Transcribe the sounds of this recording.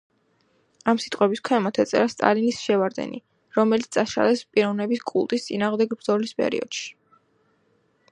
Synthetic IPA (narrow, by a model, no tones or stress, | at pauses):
amsit̪ʼqʼwɛbiskʰwɛmat̪ʰɛt̪sʼɛ̰ɾast̪ʼa̰linisʃɛvaɾd̪ɛ̰nḭ | ɾɔmɛlit̪st̪ʼaʃa̰lɛspʼiɾɔvnɛbiskʼṵlˠt̪ʼist̪sʼinaːʁmd̪ɛɡbɾd̪zɔlispʼɛ̰ɾḭɔ̰d̪̥ʃi̥